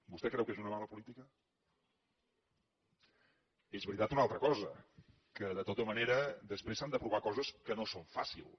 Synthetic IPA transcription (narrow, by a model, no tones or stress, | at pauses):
bust̪ɛkɾɛwkezunəmaləpulit̪ikə | ezβəɾit̪at̪unalˠt̪ɾəkɔzə | kəðət̪ot̪əməneɾəd̪əspɾesand̪əpɾuβakɔzəskənosoɱfa̰sḭlˠ